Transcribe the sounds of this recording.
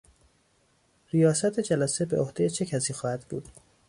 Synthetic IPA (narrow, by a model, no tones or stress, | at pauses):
ɾijɒːsæt̪ʰed͡ʒælæse̞beʔohd̪ejet͡ʃʰe̞cʰæsiːxɒːhæd̪bṵːd̪̥